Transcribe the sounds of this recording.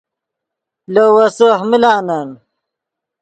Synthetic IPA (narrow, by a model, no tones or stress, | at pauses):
lowɐsohmilaːnan